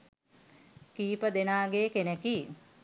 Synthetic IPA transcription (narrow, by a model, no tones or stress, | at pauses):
kiːpəd̪enaːɡeːkeneki